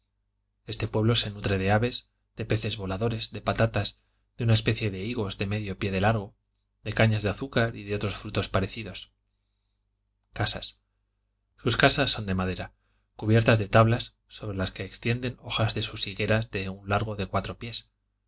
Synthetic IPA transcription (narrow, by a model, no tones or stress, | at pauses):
e̞st̪e̞pwe̞βlo̞se̞nut̪ɾe̞ð̞e̞aβe̞z | ðe̞pe̞θe̞zβo̞laðo̞ɾe̞zðe̞pat̪at̪az | ðeunae̞spe̞θje̞ðe̞iɣo̞zðe̞me̞ðjo̞pje̞ðe̞laɾɣ̞o̞ | ðe̞kaɲazðeaθukaɾiðeo̞t̪ɾo̞sfɾut̪o̞spaɾe̞θiðo̞s | kasa̰s | suskasasːo̞nd̪e̞maðe̞ɾa | kuβje̞ɾt̪azðe̞t̪aβlasːo̞βɾe̞laske̞ːkst̪je̞nd̪e̞no̞xazðe̞susiɣe̞ɾazðe̞unlaɾɣ̞o̞ðe̞kwat̪ɾo̞pje̞s